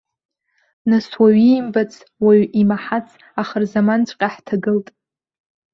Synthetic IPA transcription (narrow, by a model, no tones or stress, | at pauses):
naswaɥijmbat͡sʰ | waɥʔimaħat͡sʰ | aχərzamant͡ʃʷʼqʲʼaħtʰaɡɨltʼ